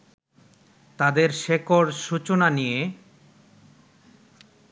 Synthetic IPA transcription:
t̪ad̪eɾʃekoɾʃut͡ɕonanije

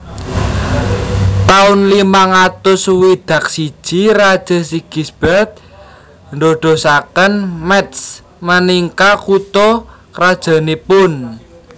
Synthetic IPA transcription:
t̪aʊnlimaŋat̪ʊswid̪̥ä̤k̚si̥ʒ̥iɾad̥ʒ̥a̤siɡ̥i̤sb̥ɛrt̪̚ | ndoɖ̥o̤sakənmɛt̪s | məniŋkakut̪ɔ | kɾad̥ʒ̥a̤nepʊn

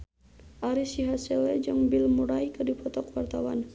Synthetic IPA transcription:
ʔaɾisiɦasɛlɛd͡ʒɨŋbilmuɾajkərdipɔt̪ɔkwart̪awan

